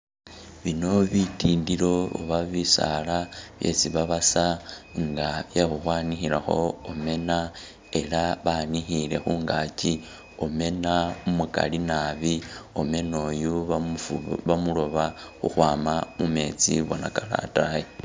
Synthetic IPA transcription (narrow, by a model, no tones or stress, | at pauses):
βino̞βitiːndilo̞o̰βaβisa̰laβje̞̰t͡siβaβasaŋɡaβjaxuxwaːnixilaxo̰ome̞na | e̞laβanixile̞̰xuːŋɡaːci | ome̞naumuka̰linaβio̞me̞no̞ːju | βamulo̞βaxuxwaːmamume̞t͡sḭβonakala̰taji